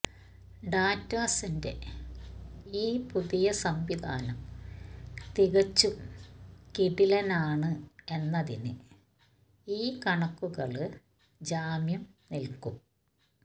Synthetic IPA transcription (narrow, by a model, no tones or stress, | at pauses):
ɖaːtːaːsinde̞̰ | iːpuðijɐsɐmʋid̪a̰ːnɐm | t̪iɣɐt͡ɕːum | kiɽilɐnaːɳɨe̞nːɐðḭnɨ̰ | iːkɐɳɐkːuɣɐɭɨ | d͡ʑaːmjɐmnilkum